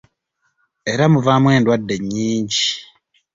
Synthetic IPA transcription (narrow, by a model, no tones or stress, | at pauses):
eɾamuvamwe̞ːndwadːe̞ɲːiːɲɟi